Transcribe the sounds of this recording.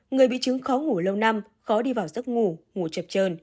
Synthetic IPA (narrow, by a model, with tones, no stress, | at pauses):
ŋɨ˨˩əjɓḭ˧˨t͡ɕɨ˨˦ŋxɔ˨˦ŋu˧˩lə˧wna˧m | xɔ˨˦ɗi˧vaː˨˩wzə˦˥t̚ŋu˧˩ŋu˧˩t͡ɕə˨˩p̚t͡ɕəː˧˩n